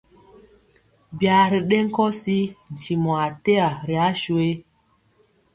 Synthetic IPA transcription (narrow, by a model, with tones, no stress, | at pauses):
bja˨ɾi˨ɗe˦ŋ̩˦kɔ˦si˦n̩˨ti˨mɔ˨a˨te˦a˨ɾi˨a˦ʃu˨e˦